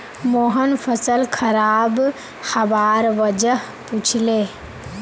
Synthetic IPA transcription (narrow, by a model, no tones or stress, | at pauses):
moɦənpʰəsəlkʰəɾab | həbaɾʋəd͡ʒəɦ | put͡ʃʰle